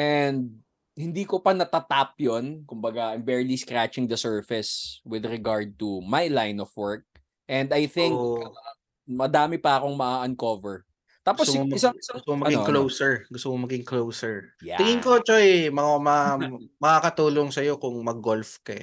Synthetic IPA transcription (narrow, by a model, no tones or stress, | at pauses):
ʔɛnd̪d̪̚ | hɪnd̪iːkopɐnɐt̪ɐt̪ap̚jonkʊmbɐɡaʔɪmbɛɹliskɾat͡ʃɪŋd̪ɐsɛɹfɪswɪd̪ɾɛɡaɹd̪̚t̪umajlajnɔfwɛɹk̚ | ʔɛnd̪ɐjθɪ̃ŋk | mɐd̪aːmɪpɐɐko̞ŋmɐʔaʔɐnkovɛɹ | t̪aːposɪsaŋt̪mɐɐnɡɪoklowsɛɹɡʊst̪ʊkomɐɡɪŋklowsɛɹja̰ɪŋɪŋkot͡ʃojmɐamɐmɐkakɐt̪uːloŋsɐjo̞kʊŋmɐɡolfkɐ